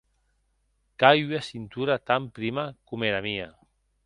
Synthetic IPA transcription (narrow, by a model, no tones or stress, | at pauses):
kajɥasint̪uɾat̪ampɾimakumeɾamia